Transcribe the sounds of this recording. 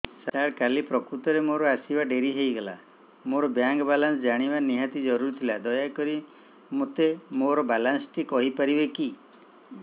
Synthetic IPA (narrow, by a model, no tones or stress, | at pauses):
saɽkalipɾɔkɾut̪ɔɾemoɾɔasibaɖeɾiɦejɡela̰ | moɾɔbjaŋɡɔbalansd͡ʒaɽ̃ibaniɦat̪id͡ʒɔɾuɾit̪ʰilad̪ɔjakɔɾi | mot̪emoɾɔbalansʈikɔɦipaɾibeki